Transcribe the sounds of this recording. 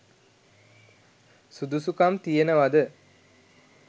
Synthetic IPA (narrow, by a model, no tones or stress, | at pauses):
sud̪usukamt̪ijenəʋad̪ə